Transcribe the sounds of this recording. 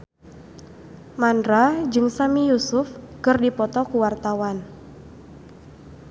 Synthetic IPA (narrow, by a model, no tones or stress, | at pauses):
mandɾad͡ʒɨŋsamijusʊfkɨrdipɔt̪ɔkuwart̪awan